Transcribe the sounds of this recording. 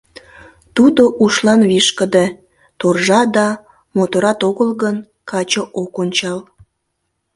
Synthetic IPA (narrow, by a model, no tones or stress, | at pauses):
t̪ud̪oʔuʃlɑnβiʃkəd̪e | t̪orʒɑd̪ɑ | mot̪oɾɑt̪oɣəlɣən | kɑt͡ɕoʔokonʲt͡ɕɑl